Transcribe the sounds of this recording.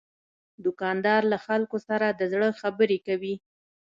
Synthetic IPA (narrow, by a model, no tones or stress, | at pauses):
d̪ʊkɑnd̪ɑɾlaxalkosaɾad̪əzɽəxabəɾekawi